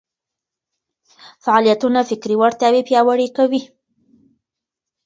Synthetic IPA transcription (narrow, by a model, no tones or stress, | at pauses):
faʕalijat̪unafɪkɾiwaɽt̪ɑwepjɑwaɽekawi